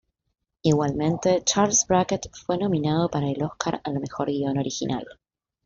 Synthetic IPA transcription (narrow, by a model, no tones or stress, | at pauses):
iɣwalmẽ̞nt̪e̞t͡ʃaɾlsbɾaket̪fwe̞nõ̞mĩnað̞o̞paɾaelo̞hkʰaɾalme̞xo̞ɾɣio̞no̞ɾixḭnʔa̰l